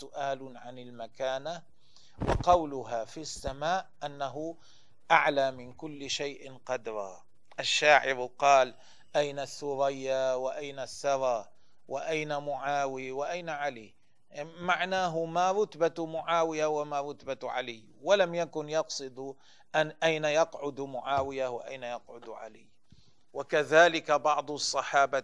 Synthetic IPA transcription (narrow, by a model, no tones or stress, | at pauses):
sʊʔaːlʕanɪlmakaːna | wɪqɑwlʊɦafisːamaːʔʔanːaɦʊ | ʔaʕlamɪnkʊlːʃajʔɪnqɑd̪ɾˤɑ | ʔaʃːaːʕɪɾqɑːl | ʔajnasːʊɾajːawɪʔajnasːɑɾˤɑ | wɪʔajnamʊʕaːwiwɪʔajnaʕali | maʕnaːɦʊmaɾˤʊt̪bat̪mʊʕaːwɪjawamaɾˤʊt̪baʕa̰lɪjː | walamjakʊnjɑqsˤɨd̪ | ʔaʔajnajɑqʕʊd̪mʊʕaːwɪjawɪ̰ʔajnajɑqʕʊd̪ʕa̰lɪj | wakaðaːlɪkabɑʕd̪ˤsˤːɑħɑːba